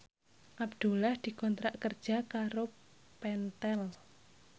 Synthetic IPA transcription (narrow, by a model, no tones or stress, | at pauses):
ʔabd̪̥ṳlahd̪̥i̤kɔnt̪ɾaʔkərd̥ʒ̥a̤kaɾo | pɛnt̪ɛl